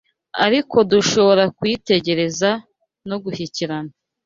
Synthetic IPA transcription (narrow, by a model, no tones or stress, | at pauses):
aɾikʰo̞duʃo̞βo̞ɾakwiːte̞ɟe̞ɾe̞za | noɡuhiciɾana